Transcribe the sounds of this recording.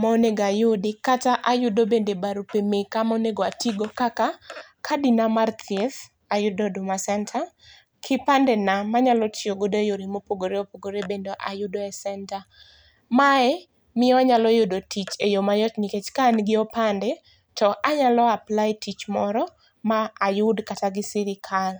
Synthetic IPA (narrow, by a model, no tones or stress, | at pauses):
moneɡajʊdɪkataʔajʊdobendebaɾupemekamoneɡoatiɡokakakʰadinamart̪ʰiɛθ | ajʊdodʊmasɛntʰa | kʰɪpandɛnamaɲalɔtʰjoɡodojoɾimopoɡoɾeopoɡoɾebendoʔa̰jʊdoɛsɛnta | maɛ | mɪɔaɲalɔjodotit͡ʃejomajɔtniket͡ʃkanɡɪɔpandɛ | tɔʔaɲalɔaplajtʰit͡ʃmɔɾɔ | maajʊdkataɡɪsɪɾɪkʰal